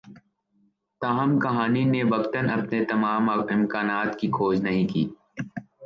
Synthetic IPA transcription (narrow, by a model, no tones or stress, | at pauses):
t̪aːɦəmkɐɦaːninebɐkt̪ənɐpnet̪ɐmaːmːɪ̃mkaːnaːt̪kikʰoːd͡ʒnɐɦĩkḭː